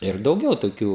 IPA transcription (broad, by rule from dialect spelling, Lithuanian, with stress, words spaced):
ɪr dɐʊˈɡʲɛʊ toːˈkʲuː